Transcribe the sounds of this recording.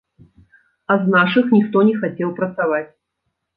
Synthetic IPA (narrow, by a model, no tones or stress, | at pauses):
ɐznaʂɨxnʲixt̪ɔnʲɛxat͡sʲɛwpɾɐt̪savat͡sʲ